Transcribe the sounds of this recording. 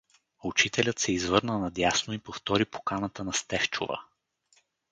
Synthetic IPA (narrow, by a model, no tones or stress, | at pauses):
ʊt͡ʃit̪ɛlʲət̪sɛizvɤɾnənɐd̪jasnoipoft̪ɔɾipo̥kanət̪ənɐst̪ɛft͡ʃo̰və̰